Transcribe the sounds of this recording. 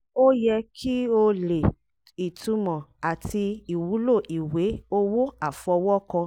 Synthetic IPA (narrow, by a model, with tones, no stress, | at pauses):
o˦jɛ˧kʰi˦o˧le˨ | i˨tũ˧mɔ̃˨a˨ti˧i˨wu˨˦lo˦˨ʔi˨we˨˦o˦wo˦a˨fɔ˧wɔ˦kɔ̃˧